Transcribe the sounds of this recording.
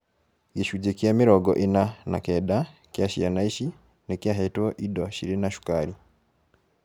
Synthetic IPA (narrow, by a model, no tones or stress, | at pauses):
ɡiʃuɟekjamiɾɔɡɔ̰ʔinana̰kɛda | kjaʃijanaiʃi | nekjaɦɛtwɔʔidɔʃiɾinaʃu̥kaɾi